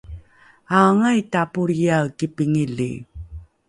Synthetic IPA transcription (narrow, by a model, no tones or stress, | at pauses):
aŋajtapuɾjaɣkipiŋiɮḭ